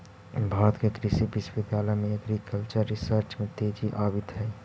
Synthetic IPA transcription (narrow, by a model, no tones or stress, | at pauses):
bʱaːɾət̪kekɾɪʃibɪʃwɪd̪ʱjaːləmẽɐɡɾikəlt͡ʃəɾːɪsəɾt͡ʃmẽt̪eːd͡ʒiʔaːbɪt̪ɦɛː